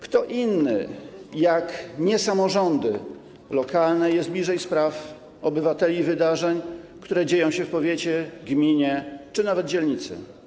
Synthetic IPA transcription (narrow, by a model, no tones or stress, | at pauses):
kt̪ɔʔinːɘ̰jakɲɛsamɔʐɔnd̪ɘ̰ | lɔkalnɛjɛsd̪blʲiʐɛjspɾaf | ɔbɘvat̪ɛlʲivɘd̪aʐɛɲkt̪uɾɛd͡ʑejɔ̃w̃ɕɛfpɔvʲjet͡ɕɛɡmʲiɲɛt͡ʂɘnavɛd̪̚d͡ʑɛlɲit̪sɘ̰